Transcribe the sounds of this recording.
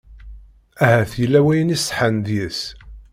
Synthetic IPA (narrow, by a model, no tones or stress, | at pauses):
æhæθjəlːæwæjənisħənd̪jəs